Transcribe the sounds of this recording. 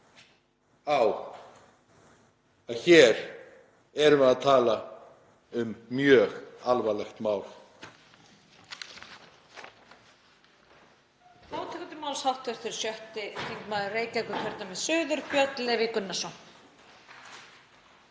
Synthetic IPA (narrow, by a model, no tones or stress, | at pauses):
aːw | aðçɛːɾ | ɛɾʏmɛðaðt̪ʰaːla | ʏmːjœːɣalvalɛxt̪maːwl | aːwt̪ʰɛkʏt̪ɪmawlshawht̪œɾ̥t̪ɪɾ̥sjœht̪ɪkʰiŋkmaːðʏreːjcajkʏkʰvɛɾt̪namɛðsʏːðʏɾpjœt̪lɛvɪkʏnːasɔn